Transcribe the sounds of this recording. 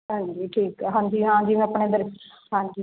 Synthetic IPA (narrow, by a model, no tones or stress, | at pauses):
ɦãːɲd͡ʒiːʈʰiːkɦãːɲd͡ʒiːɦãːɲd͡ʒiːmɛ̃ːəpɳẽːd̪əɾs | ɦãːɲd͡ʒi